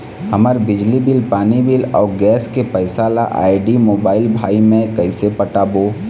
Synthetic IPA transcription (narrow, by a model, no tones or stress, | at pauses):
ɦəməɾbɪd͡ʒlibɪlpaːnibɪlɔːɾɡɛːskepəɪsaːlaʔa̰ːɪɖimoːbaːɪlbʱaːimẽkɐɪsepəʈaːboː